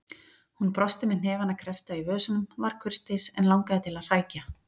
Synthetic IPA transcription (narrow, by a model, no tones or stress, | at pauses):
hunpɾɔst̪ɪmɛðn̥ɛːvanakʰɾɛft̪aivœːsʏnʏmvaɾ̥kʰʏr̥t̪ɪsɛnlawŋkaðɪt̪ʰɪlaðr̥aːjca